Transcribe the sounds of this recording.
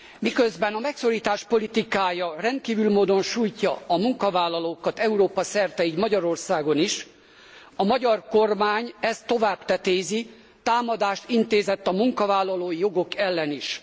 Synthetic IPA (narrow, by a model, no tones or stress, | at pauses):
mikøzbɛnɒmɛkso̞ɾiːt̪aːʃpo̞lit̪ikaːjɒrɛnt̪̚kiːvylmoːd̪o̞nʃuːjcːɒɒmuŋkɒvaːlːɒloːkɒt̪ɛuɾoːpɒsɛrt̪ɛid̪mɒɟɒɾo̞rsaːɡo̞niʃ | ɒmɒɟɒrko̞rmaːɲɛst̪o̞vaːbt̪ɛt̪eːzi | t̪aːmɒd̪aːʃt̪int̪eːzɛt̪ːɒmuŋkɒvaːlːɒloːjijo̞ɡo̞kɛlːɛniʃ